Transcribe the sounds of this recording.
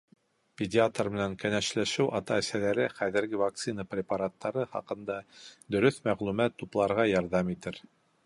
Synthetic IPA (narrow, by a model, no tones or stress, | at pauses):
pʲedʲɪat̪rmɘ̆næŋkænæʃlæʃɘwʔɑt̪ɑːsælæɾɘχæðɘ̆ɾɡɘvak̚t̪sɨnəprʲɪpɑɾat̪ːɑɾɤχɑ̰qɤ̆nd̪ɑd̪ɵ̆ɾɵθmæʁlʉmæt̪ːuplˠɑɾʁɑjɑɾðɑmit̪ɘɾ